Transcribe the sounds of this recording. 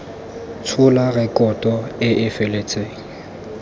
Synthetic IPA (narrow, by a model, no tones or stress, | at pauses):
t͡sʰʊlaɣɛkʼɔtʼɔɪʔɪfelet͡sʼeːŋ̩